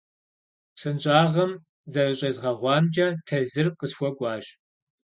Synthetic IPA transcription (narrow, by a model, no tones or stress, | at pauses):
psɨnt͡ʃʼaːʁɐm | zɐrɨɕʼɐzʁɐʁʷɑːmd͡ʒɐtʰɐzɨrqəsxʷɔɡʷʼɑːʒ